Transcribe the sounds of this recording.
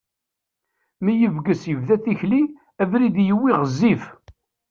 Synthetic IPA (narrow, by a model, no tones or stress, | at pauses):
mijəvɡəsjəvðæθiçli | ævɾid̪jəwːiʁəzːif